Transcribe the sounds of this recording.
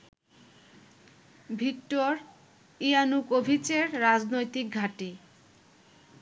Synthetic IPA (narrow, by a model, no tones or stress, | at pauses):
bʱikʈoɾ | ianukobʱit͡ɕeɾːad͡ʑnojt̪ik̚ɡʱaʈi